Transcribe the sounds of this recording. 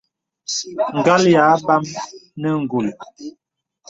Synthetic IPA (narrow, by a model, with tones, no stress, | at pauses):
ŋ˨ɡa˦lja˨˦ba˦mnə˦ŋ̩˨ɡu˨l